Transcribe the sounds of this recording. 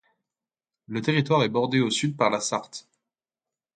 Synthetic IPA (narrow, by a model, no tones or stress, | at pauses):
lət̪eʁit̪waʁɛbɔʁd̪eosyd̪̚paʁlasaʁt̪